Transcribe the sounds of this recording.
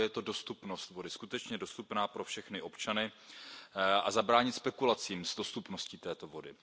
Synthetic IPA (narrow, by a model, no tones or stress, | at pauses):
jɛt̪o̞do̞st̪upno̞st̪vo̞dɪskut̪ɛt͡ʃɲɛdo̞st̪upnaːpɾo̞fʃɛxnɪʔo̞pt͡ʃanɪ | ʔa̰zabɾaːɲɪt̪spɛkulat͡siːmzdo̞st̪upno̞sciːt̪ɛːt̪o̞vo̞dɪ̰